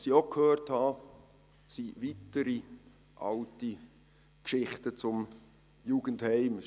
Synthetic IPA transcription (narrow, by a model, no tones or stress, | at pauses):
siokʰhøːrthɑ | sivitəɾi | ʔɑ̰lti | kʃɪχtət͡sʊm | juːɡ̥ənthɛɪm